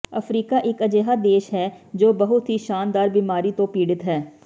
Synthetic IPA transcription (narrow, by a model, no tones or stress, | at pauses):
əfʰɾiːkaʔɪkəd͡ʒeːɦad̪eːʃɦɛː | d͡ʒoːbəɦʊt̪ɦiʃaːnd̪aːɾbiːmaːɾit̪õpiːɽɪt̪ɦɛː